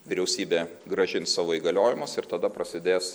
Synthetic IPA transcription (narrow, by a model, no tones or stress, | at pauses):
ʋʲɪɾʲɛʊsʲiːbʲeː | ɡɾɐʒʲɪnssɑːʋoːiːɡɐlʲoːjɪmɐsɪɾt̪ɐd̪ɐpɾɐsʲɪd̪ʲeːs